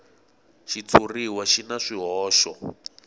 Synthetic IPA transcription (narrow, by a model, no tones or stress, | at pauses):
ʃit͡sʰuriwaʃinaʂiɦɔːʃɔ